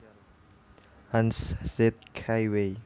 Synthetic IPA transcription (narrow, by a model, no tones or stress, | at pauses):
ãnssɛt̪̚kʰajwe